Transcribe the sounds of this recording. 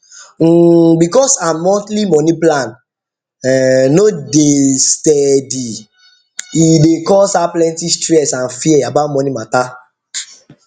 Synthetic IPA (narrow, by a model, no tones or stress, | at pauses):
ŋ̩bikɔsamɔtlimɔniplãn | ɛnodestɛdi | idekɔsaplɛ̃ntistɾɛsãnfiɛabamɔnimata